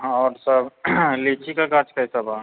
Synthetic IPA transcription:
ɔːɾsəblet͡ʃʰikakaɾt͡ʃkəjsəba

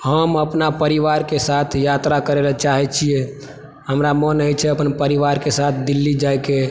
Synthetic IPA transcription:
ɦəməpnapəɾiʋaɾkesat̪ʰjat̪ɾakəɾelət͡ʃaɦɛt͡ʃʰie | ɦəmɾamənəjt͡ʃʰɛəpənpəɾiʋaɾkesat̪ʰd̪ilːid͡ʒajke

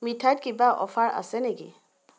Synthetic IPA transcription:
mitʰat̚kibaʔɔ̰fʰaɹa̰sɛneɡḭ

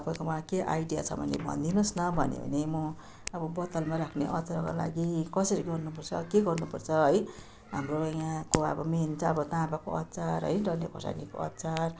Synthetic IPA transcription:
t̪ʌpajkomakeʔajɖija̰t͡sʰʌ̰bʱʌ̰nḛbʱʌ̰nd̪inosnʌbʱʌnḛbʌ̰nemʌ | ʌbʌbʌt̪ʌlmaɾakʰneʔʌt͡saɾaka̰la̰ɡikʌsʌɾiɡʌrnupʌrt͡sʰʌ̰keɡʌrnupʌrt͡sʰʌɦʌj | ɦa̰mrojãkoʌ̰bʌment͡sʰaʌbʌt̪aːpakoʌtːt͡saɾɦʌ̰jɖʌlːekʰo̰sa̰niko̰ʌ̰tːt͡sar

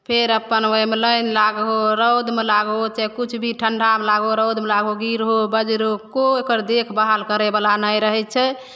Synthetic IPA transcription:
pʰeɾəpːənəmeləjnlaɡɦoɾəwd̪melaɡot͡ʃɛkut͡ʃʰbʱiʈʰəɳɖʱamlaɡoɾəwd̪melaɡoɡiɾɦobəd͡ʒɾokoekəɾd̪ekʰbaɦalkəɾebalanəjɾəɦɛt̪̚t͡ʃʰɛ

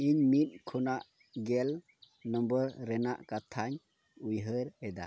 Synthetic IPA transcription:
iɲmit̪̚kʰunaʔ | ɡɛl | nɔmbəɾɾɛna̰ʔkat̪ʰaɲ | ujɦəɾɛd̪a̰

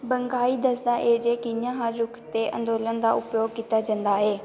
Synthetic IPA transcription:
bəŋɡaːiːd̪əsd̪aːʔeːd͡ʒeːkinãːɦaːd͡ʒʊkʰt̪eːʔə̰̃nd̪oːlənd̪a̰ːʊpjoːɡ̚kiːt̪aːd͡ʒə̃nd̪aːɦeː

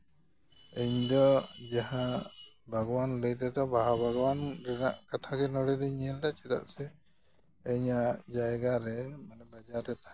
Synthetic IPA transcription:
eɲd̪ɔd͡ʒaɦa | bʱaɡɔwanləjt̪ɛd̪ɔbʱaɦabʱaɡɔwanɾɛna̰ʔkat̪ʰakɛnɔɽedɛɲiɛld̪at͡ʃit̪a̰ʔsɛː | ɲad͡ʒajɡaɾɛmanɛbad͡ʒaɾɛt̪a

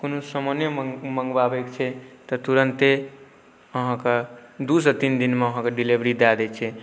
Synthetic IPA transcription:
konosəmənjəmə̃ŋɡbabɛkt͡ʃʰɛt̪ɔt̪uɾənt̪e | əɦãked̪usət̪ind̪inmeəɦãkeɖilibɾid̪ad̪ɛt͡ʃʰɛ

